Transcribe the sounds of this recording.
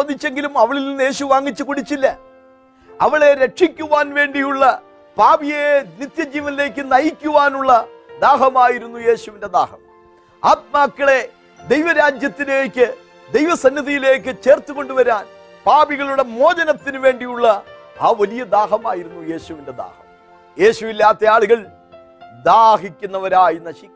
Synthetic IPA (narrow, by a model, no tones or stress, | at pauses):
ɐd̪it͡ɕːe̞ŋɡilumɐʋɐɭilninːɨe̞ːɕuʋaːŋːit͡ɕːukuɽit͡ɕːilːɐ | ɐʋɐɭe̞ɾe̞ʈʂikʲːuʋaːnʋe̞ːɳɖijuɭːɐ | paːbijenit̪jɐd͡ʑiːʋɐnile̞ːk̬ːɨnɐjikʲːuʋaːnuɭːɐ | d̪aːɦɐmaːjiɾunːuje̞ːɕuʋinde̞d̪a̰ːhɐ̰m | aːt̪̚maːkːɐɭe̞ | d̪ejʋɐɾaːd͡ʑjɐt̪ːineːkʲːɨ | d̪e̞jʋɐsɐnːiðijile̞ːkːɨt͡ɕe̞ːrt̪ːuɣo̞ɳɖuʋɐɾaːn | paːbiɣɐɭuɽe̞mo̞ːd͡ʑɐnɐt̪ːinɨʋe̞ːɳɖijuɭːɐ | aːʋɐlijɐd̪aːɦɐmaːjiɾunːuje̞ːɕuʋinde̞d̪a̰ːhɐm | je̞ːɕuʋilːaːt̪ːeaːɭuɣɐɭ | d̪aːɦikʲːunːɐʋɐɾaːjinɐɕi